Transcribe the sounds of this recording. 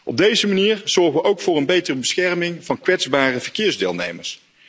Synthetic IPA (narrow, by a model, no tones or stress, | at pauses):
ʔɔb̚dejzəmaniːrz̥ɔɹχʋəʔowkfʊːrənbejtərəbəsxɛrmɪŋvɑnkʋɛdzbaːrəvəɹkɪːɹzdɪ̰ːlˠnejməɹs